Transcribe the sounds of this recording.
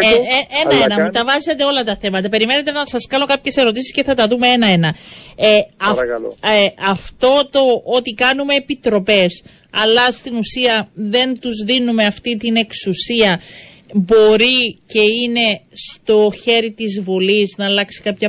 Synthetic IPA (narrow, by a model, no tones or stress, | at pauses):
enɐenɐmut̪ɐvɐzet̪e̞o̞lɐt̪ɐθe̞mɐt̪̬ɐpe̞ɾime̞net̪e̞nɐsɐskɐno̞kɐpçe̞se̞ɾo̞t̪isi̥sceθɐt̪ɐðume̞e̞nɐe̞nɐeɐ | ɐft̪o̞t̪o̞ot̪ikɐnume̞ːpit̪ɾo̞pe̞s | ɐlɐst̪inusiɐðe̞nt̪uzðinumeɐft̪it̪ine̞ksusiɐ | bo̞ɾice̞ine̞st̪o̞çe̞ɾit̪izvoliznɐːlɐksi̥kɐpçɐ